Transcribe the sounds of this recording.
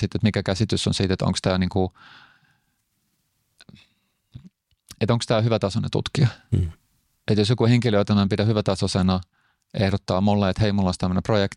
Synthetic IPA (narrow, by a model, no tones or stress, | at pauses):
sit̪ːet̪mikækæsit̪ysːo̰nsit̪et̪o̰ŋkst̪æːniːŋku | et̪õŋkst̪æːhyʋæt̪ɑsonḛt̪ṵt̪kiɑ | et̪josjokuheŋkiløːt̪ɑnɑmpidæhyʋæt̪ɑsosenɑ | ehɾot̪ːɑːmulːeet̪heimulːonst̪æmːeneprojekt̪